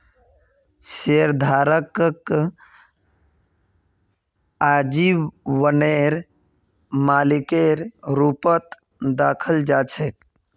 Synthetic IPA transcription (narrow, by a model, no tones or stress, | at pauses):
seɾd̪ʱaːɾəkk | aːd͡ʒiʋəneɾ | maːlikeɾɾupət̪ | d̪aːkʰəld͡ʒaːt͡ʃʰek